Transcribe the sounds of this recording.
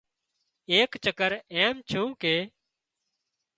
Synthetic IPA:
eːkt͡ʃəkəɾeːmt͡ʃʰũːkeː

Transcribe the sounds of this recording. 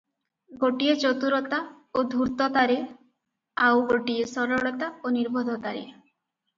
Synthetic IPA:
ɡoʈiet͡ʃot̪uɾɔt̪a | od̪ʱuɾt̪ɔt̪aɾe | awɡoʈiesɔɾɔɽɔt̪aoniɾbʱod̪ʱɔt̪aɾḛ

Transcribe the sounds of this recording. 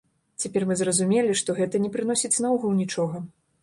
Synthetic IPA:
t͡sʲapʲɛrmɨzrɐzumʲelʲiʂt̪ɔɣɛt̪ɐnʲɛpɾɨn̪ɔsʲit͡sʲnauɣɐwnʲit͡ʂɔɣɐ

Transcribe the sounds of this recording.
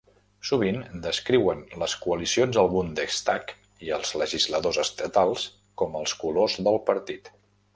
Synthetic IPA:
suβ̞ind̪əskɾiwənləskuəlisionzəlˠβund̪əst̪ak | iəlˠzləʒizləðozəst̪ət̪alˠs | kɔməlˠskulozðəlˠpəɾt̪it̪

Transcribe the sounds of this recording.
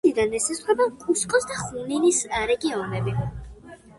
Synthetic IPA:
id̪anɛsɛsχwɛbakʼuskʼɔsd̪aχumninisɾɛɡiɔnɛbi

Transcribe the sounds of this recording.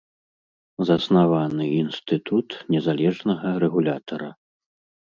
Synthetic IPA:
zɐsnavanɨinst̪ɨt̪ut̪nʲɛzalʲɛʐnɐɣɐɾɛɣulʲat̪ʰɐɾɐ

